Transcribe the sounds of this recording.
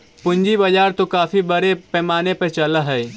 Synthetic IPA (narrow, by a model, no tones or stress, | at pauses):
pʊ̃ɲd͡ʒibɐd͡ʒaːɾt̪okaːfibɐɾepɛːmaːnepɐɾt͡ʃɐlaɦɛː